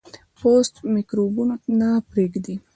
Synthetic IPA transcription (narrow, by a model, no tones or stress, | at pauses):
post̪mikɾubunnaːpɾiɡd̪i